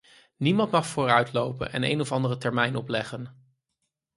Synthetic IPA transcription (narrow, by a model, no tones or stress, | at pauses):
nimɑntmɑχfoːrœɥtlowpə̰nɛ̰nḛjnɔfɑndərətɛɹmɛjnɔplɛχən